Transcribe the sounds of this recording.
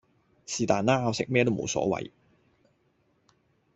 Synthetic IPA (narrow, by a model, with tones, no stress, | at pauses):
siː˨t̪aː˨˩nːaː˥a˧wsɪ˨k̚mɛː˥t̪o˥mo̰˨˧wsɔ̰ː˨˥wɐ̰˨˧j